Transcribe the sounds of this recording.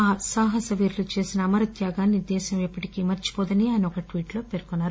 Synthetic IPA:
aːsaːɦɐsɐʋiːɾlut͡ʃe̞ːsinɐːmɐɾɐt̪jaːɡaːnːid̪ɛːʃɐmɛpːɐʈikimɐɾt͡ʃi̥pɔːd̪ɐniaːjɐniɔkɐʈʋiːʈlo̞ːpeːɾkunːaːɾu

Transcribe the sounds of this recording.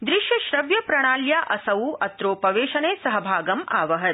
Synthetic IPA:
d̪ɾiʃjɐʃɾɐʋjɐpɾɐɳ̃aːljaːʔɐsɐwuʔɐt̪ɾoːpɐʋeːʃɐneːsɐɦɐbʱaːɡɐmaːʋɐɦɐt̪̚

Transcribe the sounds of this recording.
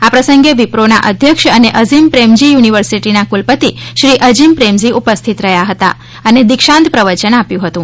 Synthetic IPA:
apɾəsəŋɡeʋipɾona̰ʔəd̪ʱjəkʃəneʔəzimpɾemd͡ʒijuniʋəɾsiʈinakulpət̪iʃɾiʔəd͡ʒimpɾemziʔupəst̪ʰit̪ɾəɦjaɦət̪a̰ | əned̪ɪkʃãnt̪pɾəʋət͡ʃənapjũɦət̪ũ

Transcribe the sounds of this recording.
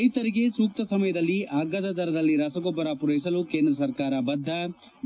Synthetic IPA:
jt̪ɐɾiɡesuːk̚t̪ɐsɐmɐjɐd̪ɐlːiʔaːɡːɐd̪ɐd̪ɐɾɐd̪ɐlːiɾɐsɐɡɔbːɐɾapuɾɐjs̬ɐlukeːnd̪ɾɐsɐɾkaːɾɐbɐd̪ʱːɐ

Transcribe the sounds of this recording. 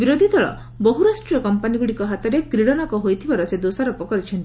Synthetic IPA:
biɾod̪ʱid̪ɔɭɔ̰ | bɔɦuɾasʈɾiɔkɔmpaniɡuɽikɔɦat̪ɔɾekɾiɽɔnɔkɔɦojt̪ʰibaɾɔsed̪osaɾɔpɔkɔɾit͡ʃʰɔnt̪i

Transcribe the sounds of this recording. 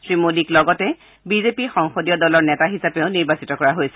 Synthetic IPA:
sɹimodiklɔɡɔtɛ | bizepixɔŋxodijɔdɔlɔɹnɛtaɦisapeʊniɹbasitɔkɔɹaɦojsɛ

